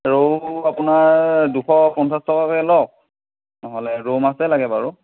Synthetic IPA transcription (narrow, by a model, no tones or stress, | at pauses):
ɹoapʊnaɹduxɔpɔnsastʰɔkakɛlɔk̚ | nɔɦɔlɛɹomasɛlaɡɛbaɹu